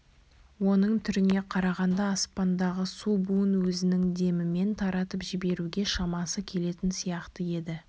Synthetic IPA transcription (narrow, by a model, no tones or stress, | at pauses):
wo̞nəɴt̪ʰʏɾɪne̞qʰɑɾɑʁɑnd̪ɑːspɑnd̪ɑʁəsubunwɵzɪnɪŋd̪e̞mɪme̞nt̪ʰɑɾɑt̪əpʒɪbe̞ɾuɡʲe̞ʃɑmɑsəkʲʰe̞le̞t̪ɪnsijɑqt̪əje̞d̪ɪ